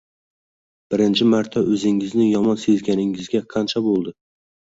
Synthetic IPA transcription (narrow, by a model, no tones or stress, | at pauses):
b̥ɪɾɪnt͡ʃʰɪmaɾt̪ʰaʔɵzɪŋɪznɪjɒmɒnse̞zɡʲanɪŋɪzɡʲaqʰɑnt͡ʃʰabolˠd̪ɪ